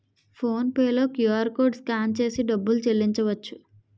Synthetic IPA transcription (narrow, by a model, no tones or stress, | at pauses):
pʰo̞ːnpeːlo̞ːkjuaːɾkoːɖskaːnt͡ʃe̞ːsiɖɐbːulut͡ʃelːiɲt͡ʃɐʋɐt͡ʃːu̥